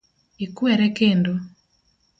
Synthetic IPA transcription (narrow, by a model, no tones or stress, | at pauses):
ikuɛɾɛkeːndo